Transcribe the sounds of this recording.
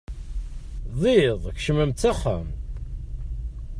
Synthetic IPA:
ðˤiðˤç̥ʃəməmt̪ːæχæ̰m

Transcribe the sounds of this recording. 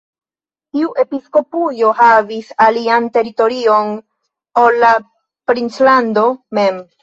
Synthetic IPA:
tiuʔe̞pisko̞pujo̞havisaliante̞ɾito̞ɾio̞n | olːa | pɾint͡slando̞me̞m

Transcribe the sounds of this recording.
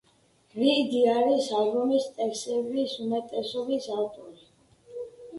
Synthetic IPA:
ɾid̪iaɾisaɡɾɔnist̪ʼɛksɛvisumɛt̪ʼɛsɔbisaft̪ʼɔɾi

